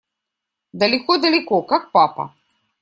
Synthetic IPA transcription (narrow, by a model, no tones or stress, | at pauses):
d̪ɐlʲikɔd̪ɐlʲikɔkak̚papɐ̰